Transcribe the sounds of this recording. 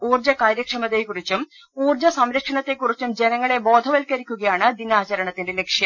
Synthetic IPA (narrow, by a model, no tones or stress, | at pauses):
uːrd͡ʑɐkaːɾjɐkʂɐmɐt̪ːekːurit͡ɕːum | uːrd͡ʑɐsɐmɾɐkʂɐɳɐt̪ːe̞kːurit͡ɕːumd͡ʑe̞nɐŋːɐɭe̞bo̞ːd̪ʱɐʋɐlkɐɾikʲːuɣɐjaːɳɨd̪inaːt͡ɕɐɾɐɳɐt̪ːinde̞le̞kʂjɐm